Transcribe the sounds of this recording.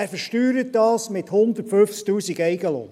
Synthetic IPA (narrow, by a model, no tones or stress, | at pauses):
æːɾfəɾʃtyːɾət̚dɑːsmɪt̪hʊnd̪ətføft͡sk̚t̪uːsiɡɛɪɡəlo̰ː